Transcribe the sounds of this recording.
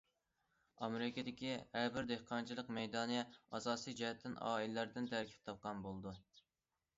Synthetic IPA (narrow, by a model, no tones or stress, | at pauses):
ɑmeɾɪkʲed̪ɪkʲihæɾbɪɾd̪ehqʰɑnt͡ʃʰilˠəqmɛjd̪ɑːnɨjɛɑsɑːsijd͡ʒɛɦɛt̪ʰːɪnɑ̰ːilɪlæɾd̪ɪnt̪ʰæɾkʲʰi̥p̚t̪ʰɑp̚qʰɑnbolˠd̪u